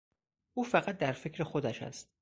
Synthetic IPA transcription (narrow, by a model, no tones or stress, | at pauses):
ʔuːfæɣæt̪̚d̪æɾfecʰɾe̞xod̪æʃæ̰st̪